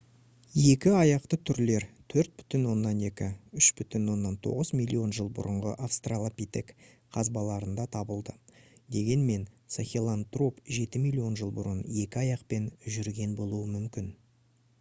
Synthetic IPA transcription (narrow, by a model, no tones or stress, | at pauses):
je̞kʲɪɑjɑqt̪ət̪ʰʏɾle̞ɾt̪ʰɵɾt̪̚bʏ̥t̪ɪnwo̞nːɑne̞kʲɪʏʃbʏt̪ɪnwo̞nːɑnt̪ʰo̞̰ʁəzmilʲːio̞nʒəlˠbʊ̰ɾəɴʁə̰ʔafst̪ralˠapʲit̪e̞k | qʰɑzbɑlˠɑɾənd̪ɑt̪ʰɑbəlˠd̪əd̪e̞ɡʲe̞nme̞nt̪saxʲelˠant̪ro̞pʒe̞t̪ɪmijlʲio̞nʒəlˠbʊ̰ɾənje̞kʲɪɑjɑqpe̞nʒʏɾɡʲe̞nbo̞lˠuwəmʏmkʲɪn